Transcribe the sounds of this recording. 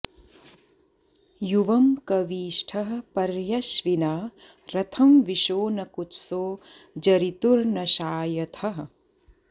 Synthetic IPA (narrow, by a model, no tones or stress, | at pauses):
juʋɐmkɐʋiːʃʈʰɐɦɐpɐɾjɐʃʋinaː | ɾɐt̪ʰɐmʋiʃoːnɐkut̪soː | d͡ʒɐɾit̪uɾnɐʃaːjɐt̪ʰɐɦɐ̆